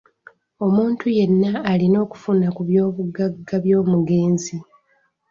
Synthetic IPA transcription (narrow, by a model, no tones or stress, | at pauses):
o̞muːntuje̞nːaːlino̞ːku̥funakuβjo̞ːβuɡaɡːaβjoːmuɡe̞ːnzi